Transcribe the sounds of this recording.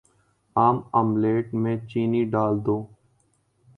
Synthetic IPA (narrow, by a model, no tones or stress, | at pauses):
aːməmleːʈmẽːt͡ʃiːniɖaːld̪oː